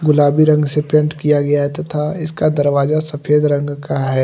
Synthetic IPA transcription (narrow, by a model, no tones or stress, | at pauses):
ɡʊlaːbiɾɐ̃ŋɡsepẽːɳʈkijaɡɐjaɦt̪t̪ʰaɪskad̪ɐɾʋaːzasɐpʰeːd̪ɾɐ̃ŋɡkaɦɛː